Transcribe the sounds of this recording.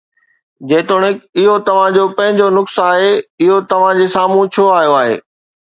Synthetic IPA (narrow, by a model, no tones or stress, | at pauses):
d͡ʑeːt̪ʊɽ̃ɪkɪɦot̪ɐʋ̤ãd͡ʑoːpɐ̃ɦɪ̃ɲd͡ʑonʊksaːɦeɪɦot̪ɐʋ̤ãd͡ʑeːsaːm̤ũt͡ɕʰoaːɦijoaːɦḛː